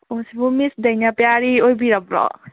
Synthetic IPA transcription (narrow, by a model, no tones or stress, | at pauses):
osibumisd̪enapjaɾiobiɾʌbɾɔ̰